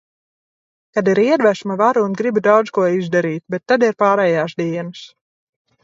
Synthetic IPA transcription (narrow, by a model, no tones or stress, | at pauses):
kad̪iɾiɛd̪væʃmavaɾunɡɾibd̪awd̪zkuɔizd̪aɾiːt̪̚bɛt̪ːad̪iɾpaːɾɛːjaːsd̪iɛnɨs